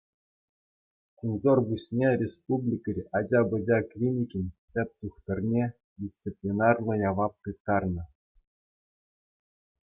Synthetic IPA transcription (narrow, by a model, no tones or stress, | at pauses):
kunzorbusʲnʲerʲespublʲikʲɘ̆rʲɑd͡ʑɑbɤ̆d͡ʑʲɑklʲinʲikʲinʲtʲɘ̆p̚ʲt̪uχt̪ɤ̆rʲnʲe | dʲist͡sipʲlʲinɑrlˠɤ̆jɑʋɑp̚kɯt̪ːɑrnɤ̆